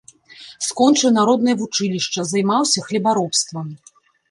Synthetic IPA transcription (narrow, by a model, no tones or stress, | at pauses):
skɔnt͡ʂɨwnaɾɔd̪nɨjɐvut͡ʂɨlʲiʂt͡ʂɐzajmawsʲɐxlʲibaɾɔpst̪vɐm